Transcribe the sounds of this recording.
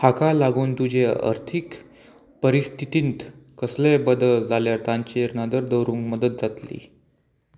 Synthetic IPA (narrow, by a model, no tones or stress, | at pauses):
hakalaɡuːnt̪ud͡ʑeə̰ɾt̪ʰik | pəɾist̪ʰit̪iːnt̪kəslebəd̪əld͡zaljaɾt̪aɲt͡ɕiɾnad̪əɾd̪əwɾuːŋkməd̪ət̪̚d͡zat̪lḭː